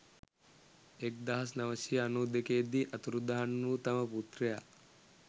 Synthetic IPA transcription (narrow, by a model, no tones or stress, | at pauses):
ek̚d̪ɐɦɐs̬nɐʋɐsiːnuːd̪ekeːd̪iʔɐt̪uɾud̪aɦanut̪ɐməput̪ɾeja